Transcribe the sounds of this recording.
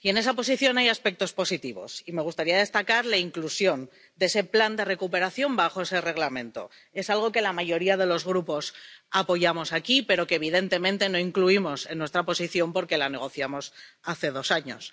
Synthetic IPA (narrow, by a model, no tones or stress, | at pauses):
ie̞ne̞s̬apo̞siθjo̞najaspe̞k̚t̪o̞spo̞sit̪iβo̞̰sime̞ɣ̞ust̪aɾiaðe̞st̪akaɾlaiŋklusjo̞n | d̪e̞se̞pland̪e̞re̞kupe̞ɾaθjo̞mbaxo̞e̞se̞re̞ɣlamẽ̞nt̪o̞̰ | e̞salɣ̞o̞ke̞lamaʝo̞ɾiaðe̞lo̞zɣɾupo̞sapo̞ʝamo̞sakipe̞ɾo̞keːβ̞ið̞e̞nt̪e̞mẽ̞nt̪e̞no̞iŋkluimo̞se̞nːwe̞st̪ɾapo̞siθjo̞mpo̞ɾke̞lane̞ɣ̞o̞θjamo̞saθe̞ð̞o̞saɲo̞̰s